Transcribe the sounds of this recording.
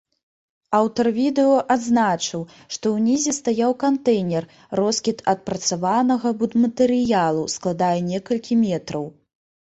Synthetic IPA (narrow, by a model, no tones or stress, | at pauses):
awt̪ɐrvʲid̪ɛɔʔad̪znat͡ʂɨw | ʂt̪ɔwnʲizʲɛst̪ajawkant̪ɛjnʲɛrː | ɔskʲit̪ʰɐt̪̚pɾɐt̪savanɐɣɐbud̪mɐt̪ɛɾɨjalˠusklˠad̪ajɛnʲɛkɐlʲkʲimʲɛt̪ɾɐw